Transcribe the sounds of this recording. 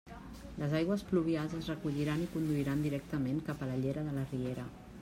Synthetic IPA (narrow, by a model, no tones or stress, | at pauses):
ləzajɣwəspluβialˠzəzrəkuʎiɾanikund̪uiɾand̪iɾɛk̚t̪əmeŋkapələʎeɾəðələrieɾə